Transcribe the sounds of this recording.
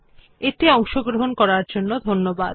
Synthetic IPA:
eʈeɔ̃ŋʃoɡɾoɦonkɔɾaɾd͡ʑonːod̪ʱonːobad̪

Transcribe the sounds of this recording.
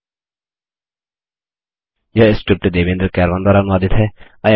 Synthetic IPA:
jɐɦeskɾɪp̚ʈəd̪eːʋẽnd̪ɾkɛːɾʋãnd̪aɾɐnuʋaːd̪ɪt̪ʰɦɛ | ɐj

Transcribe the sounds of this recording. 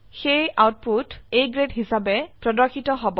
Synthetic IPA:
xejawt̚putejɡɹedɦisabɛpɹɔdɔɹxʰitɔɦɔbɔ

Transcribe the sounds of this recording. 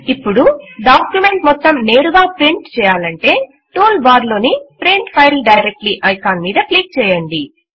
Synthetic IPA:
ipːuɽuɖaːkjume̞ɳʈmɔt̪ːɐmne̞ːɾuɡaːpɾiɳʈt͡ʃɛːjaːlɐɳʈe̞ː | ʈoːlʋaːɾlo̞ːnipɾeːɳʈpʰɐjɾlɖɐjɾek̚ʈliʔɐjkaːnmiːd̪ɐpliːk̚t͡ʃɛːjɐɳɖi

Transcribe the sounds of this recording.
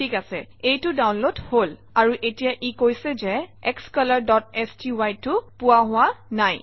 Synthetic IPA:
tʰikasɛejtʊdawnlodhol | aɹuʔetijaʔikojsɛzɛɛkskalaɹdɔtɛstʰiwajtʊpʊwaɦʊwanaj

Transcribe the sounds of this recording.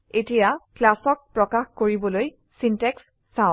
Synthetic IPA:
etijaklasɔk̚pɹɔkaxkoɹibɔloj | sintɛksː | aʊ̃

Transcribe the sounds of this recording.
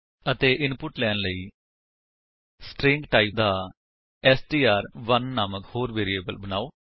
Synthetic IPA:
ət̪eːʔɪnpʊʈlɛːnləiː | sʈɾɪ̃ŋɡʈaːip̚d̪aː | ɛːsʈiːaːɾʋənːaːməkhoːɾʋeːɾieːbəlbənaːoː

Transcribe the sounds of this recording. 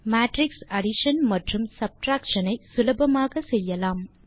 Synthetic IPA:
maːʈɾɪksɐɽɪʂɐnmɐʈrɯmsɐp̚ʈɾaːkʂɐnɐɪsʊlɐbɐmaːɣɐsɛjːɐlaːm

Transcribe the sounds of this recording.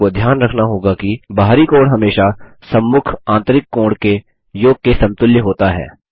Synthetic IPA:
od̪ʱjaːnɾɐkʰnaɦoːɡakibaːɾikoːɽ̤ɦɐmeːʃa | sɐmːʊkʰãːnt̪əɾɪkːoːɽke | joːɡ̚kesɐ̃mt̪ʊljəɦoːt̪aɦɛ̰ː

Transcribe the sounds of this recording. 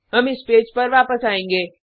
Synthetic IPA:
ɦəmĩspeːt͡ʃpəɾʋaːpəsaːẽːŋɡeː

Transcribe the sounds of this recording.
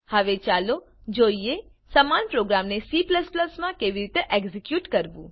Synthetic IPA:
həʋet͡ʃalo | d͡ʒoie | səmanpɾoɡɾamnesipləspləsmãkeʋiɾit̪eʔeɡzikjuːʈkəɾʋṵ̃

